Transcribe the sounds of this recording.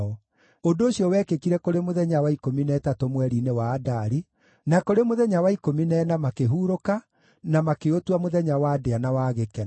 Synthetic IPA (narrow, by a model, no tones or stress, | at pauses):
ɔ | ondoːɕiɔwɛkekiɾɛkoɾemoðɛɲawaikominɛtatomwɛɾinewaːdaɾi | nakoɾemoðɛɲawaikominɛnamakeɦuːɾoka | namakeotwamoðɛɲawaːdeanawaɣekɛ